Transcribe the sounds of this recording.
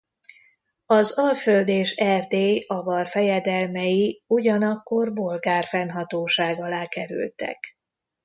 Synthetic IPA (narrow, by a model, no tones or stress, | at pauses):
ɒzɒlføld̪eːʃɛrd̪eːɒvɒrfɛjɛd̪ɛlmɛjiuɟɒnɒkːo̞rbo̞lɡaːrfɛnɦɒt̪oːʃaːɡɒlaːkɛɾy̰lt̪ɛ̰k